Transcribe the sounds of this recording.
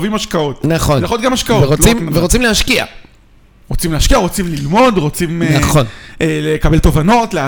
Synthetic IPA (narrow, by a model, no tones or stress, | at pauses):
vimaʃkao̞t̪̚naχonlaχot̪̚ɡamaʃkaoveʁoimveʁot͡simleaʃkia̰ | ʁot͡simleaʃkiaʁo̞t͡simlilmo̞dʁo̞t͡simnaχonelekabe̞lt̪o̞vano̞tlea